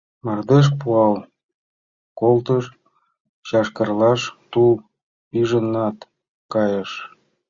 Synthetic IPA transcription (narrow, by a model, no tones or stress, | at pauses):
mɑrd̪eʃ̬puɑl | kolt̪əʃ | t͡ɕɑʃkərlɑʃt̪ul | pyʒənːɑt̪ | kɑjəʃ